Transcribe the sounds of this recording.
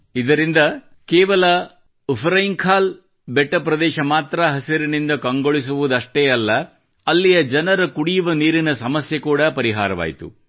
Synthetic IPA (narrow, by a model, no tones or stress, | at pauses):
id̪ɐɾind̪ɐ | kɛːʋɐlɐ | upʰɾɐjiŋkʰaːl | beʈːɐpɾɐd̪ɛːʃɐmaːt̪ɾɐɦɐsiɾinind̪ɐkɐŋɡoɭis̬uʋud̪ɐʂʈeːɐlːɐ | ɐlːijɐd͡ʒɐnɐɾɐkuɽijuʋɐniːɾinɐsɐmɐsjɐkuːɽɐpɐɾiɦa̰ːɾɐʋa̰ːjit̪ṵ